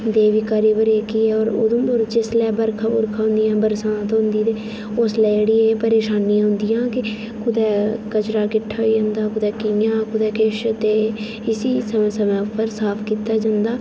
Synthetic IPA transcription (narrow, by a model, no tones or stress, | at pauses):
d̪eːʋiːkaːɾiːbəɾeːkiːɛːɔːɾʊ̰d̪ʊ̃ːbʊɾd͡ʒɪslɛːbəɾkʰabʊɾkʰãːɦʊ̃nd̪ijãːbəɾsãːt̪oɦʊ̃nd̪iːt̪e | ʊslɛːɽiːpəɾeːʃaːnijãːɦʊ̃nd̪ɪjãːkɪ | kʰʊd̪ɛːkət͡ʃɾaːkɪʈʰːaːid͡ʒãːnd̪aːkʊd̪ɛːkɪjãːkʊd̪ɛːkeːʃt̪eː | ɪsiːsəmːsəmɛ̃ːʊpːəɾsaːpʰkiːt̪aːd͡ʒãːnd̪aː